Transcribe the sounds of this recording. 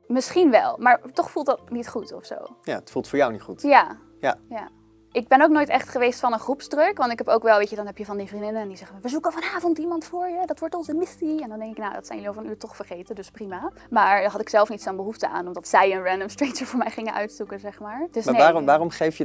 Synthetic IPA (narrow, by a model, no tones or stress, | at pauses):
mɪsχinʋɛ̰lˠmaːɹtɔχfulˠtdɑt̚nitχutɔfso̰wja̰ətfulˠtfʊːɹjawnitχutja | jaja | ʔɪɡ̚bɛnoʊknoːjtɛχtχəʋejstfɑnənχrupsdrɵkʋɑntɪkɦɛpowkʋɛlˠʋejçədɑnɦɛpjəvɑndifrindɪnəndizɛχəmaʋəzukəfɑnaːvɔntimɑntfʊːɹjədɑtʋɔɹtɔnzəmɪsiɛndɑndɛŋkɪknawdɑ̰tsɛjʏliovəɹənyːɹtɔχfəɹχejtədɵsprima | maːɹdɦɑtɪksɛlˠfnitsɔnbəɦuftəʔa̰ːnɔmdɑtsɛjənrɛndəmstɹetsəɹvʊːɹmɛjχɪŋənʔœ̰ɥtsukəzɛχmaːɹd̥əsneaːrmʋaːrɔmχejfjə